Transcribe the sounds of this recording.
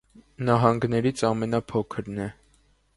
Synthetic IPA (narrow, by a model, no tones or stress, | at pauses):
nɑɦɑŋɡnɛɾit͡sʰɑmɛnɑpʰɔkʰəɾnɛ